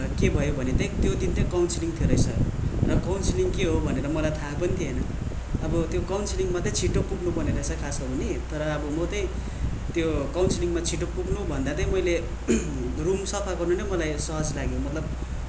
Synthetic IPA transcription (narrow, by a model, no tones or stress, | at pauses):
kebʱʌjobʱʌnet̪ʌj̃t̪jod̪int̪ʌjkawnsiliŋt̪ʰeɾʌjsʰʌ̰rʌkawnsiliŋkeɦobʱʌneɾʌmʌlajt̪ʰapʌnit̪ʰiɦenʌ | ʌbʌt̪jokawnsiliŋmat̪ʌt͡sʰiʈokpuɡnubʱʌneɾʌsʰʌkʰaskoɦunit̪ʌɾʌːbʌmʌt̪ʌj̃ | t̪jokawnsiliŋmat͡sʰiʈok̚puknubʱʌnd̪at̪ʌj̃mʌjle | rumsʌpʰakʌrnunʌmʌlajsʌɦʌd͡zlaɡjomʌt̪lʌb